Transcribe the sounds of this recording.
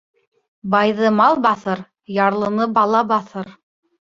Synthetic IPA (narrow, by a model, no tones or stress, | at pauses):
bɑjðɤmɑlˠbɑθɤɾ | jɑɾlˠɤ̆nɤbɑlˠɑbɑθɤɾ